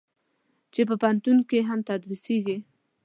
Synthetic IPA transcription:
t͡ʃep̬əpant̪unkeɦamt̪ad̪ɾiseɡi

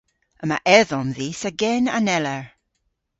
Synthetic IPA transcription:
əma̰ʔɛðɔnðisəɡɛna̰nɛləɹ

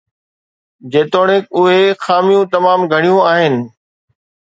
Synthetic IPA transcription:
d͡ʑeːt̪oːɽ̃ẽkʊɦexaːmijũt̪ɐmaːmɡʱɐɽ̃ijũaːɦɪnɪ̆

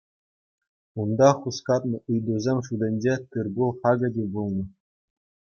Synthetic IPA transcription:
und̪ɑχuskɑt̪̚nɤ̆ʔɯjd̪uzʲemʲʂud̪ʲĕnʲd͡ʑet̪ɯrbulˠχɑɡɤ̆dʲibulˠnɤ̆

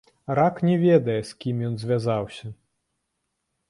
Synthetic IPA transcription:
ɾaknʲɛvʲɛd̪ɐjɛskʲimjɔnzʲvʲazawsʲɐ

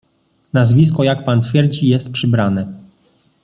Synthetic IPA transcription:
nazvʲiskɔjakpant̪fʲjɛɾd͡ʑijɛst̪̚pʂɘbɾanɛ

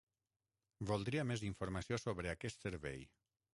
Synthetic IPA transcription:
bolˠd̪ɾiameziɱfuɾmasiosoβɾeakɛst̪seɾβɛ̰j

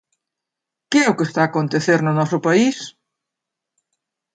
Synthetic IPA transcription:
keɛʊkest̪aːkont̪eθeɾnʊnɔsʊpais

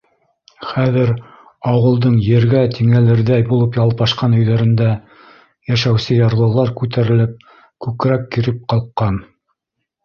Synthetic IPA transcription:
χæðɘɾ | ɑwɤ̆lˠd̪ɤɴjɘ̆ɾɡæt̪iŋælɘ̆ɾðæjbulˠɤpjɑlˠpɑʃqɑnɵ̆jðæɾɘ̆nd̪æ | jæʃæwsɘjɑɾlˠɤ̆lˠɑɾkʉt̪æɾɘ̆lɘp̚ | kʉkɾækːiɾɘp̚qɑlˠqːɑn

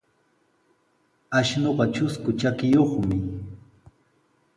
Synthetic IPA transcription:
aʃnoɢɑt͡ʃʊskʊt͡ʃakɪjoχmɪ

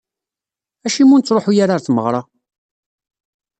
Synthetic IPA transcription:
æʃimunt͡sːɾˤoħujaɾaɾθməʁɾˤɑ

